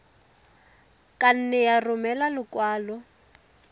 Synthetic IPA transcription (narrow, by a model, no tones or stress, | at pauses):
kʼan̩nɛjarʊmɛlalʊkwaːlɔ